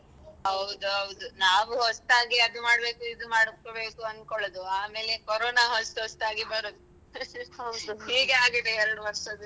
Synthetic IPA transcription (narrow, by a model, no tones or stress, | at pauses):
ɦɐwd̪uɦɐwd̪unaːʋuɦost̪aːɡiɐd̪umaːɽbe̞ːkuid̪umaːɽobe̞ːkuɐnkoɭod̪uaːme̞ːlekoɾoːnaːɦost̪ɦost̪aːɡibɐɾoːd̪u | wd̪uhiːɡeaːɡid̪eɛɾɐɽuʋɐɾʂɐd̪